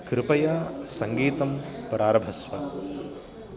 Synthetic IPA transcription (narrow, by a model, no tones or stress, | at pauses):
kɾɪpɐjasɐŋɡiːt̪ɐmpɾaːɾɐbʱɐsʋɐ